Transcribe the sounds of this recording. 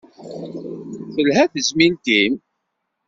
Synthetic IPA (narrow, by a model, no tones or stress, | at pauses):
θəlɦæθəzmint̪im